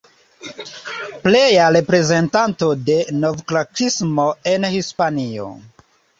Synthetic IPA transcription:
ple̞jaɾe̞pɾe̞ze̞ntanto̞de̞no̞vklakismo̞e̞nhispanio̞̰

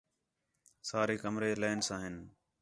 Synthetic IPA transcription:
saːɾeːkəmɾeːleːnsãːɦɪn

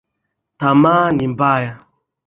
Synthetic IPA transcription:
tamaːnim̩baːja

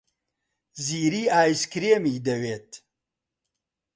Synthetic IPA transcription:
ziːɾiːaːjskɾeːmiːd̪ɐweːt̪

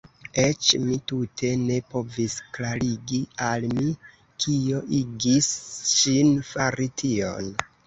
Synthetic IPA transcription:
e̞t͡ʃmitutʰe̞ne̞po̞visklaɾiɡialmi | kʰio̞ʔiɡisʃinfaɾitʰio̞̰n

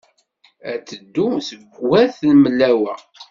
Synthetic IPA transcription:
æt͡sːəd̪ːusəɡwæθnməlːæwæ

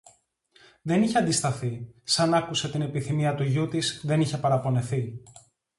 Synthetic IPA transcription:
ðe̞niçeɐnd̪ist̪ɐθisɐnɐkuse̞t̪ine̞piθimiɐt̪uʝut̪isðe̞niçe̞pɐɾɐpo̞ne̞θi

